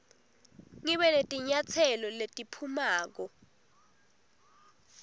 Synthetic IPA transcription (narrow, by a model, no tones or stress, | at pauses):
ŋiɓɛnetʼiɲat͡sʰɛlɔletʼipʰumaːk̬ɔ